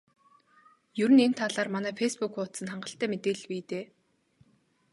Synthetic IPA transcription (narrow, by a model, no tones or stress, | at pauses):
jɵɾɘ̆nen̥t̪ʰaɮaːrmanæːfejspukʰʊːt̪sə̆nχaɴɢə̆ɬt̪æːmet̪eːɮpiːt̪eː